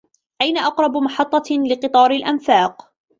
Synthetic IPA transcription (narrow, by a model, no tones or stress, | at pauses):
ʔajnaʔɑqɾˤɑbmɑħɑt̪ˤːɑlɪqɨt̪ˤɑːɾɪlʔanfaːq